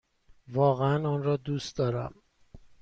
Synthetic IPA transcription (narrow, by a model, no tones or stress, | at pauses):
vɒːɣeænɒːnɾɒːd̪uːst̪d̪ɒːɾæ̰m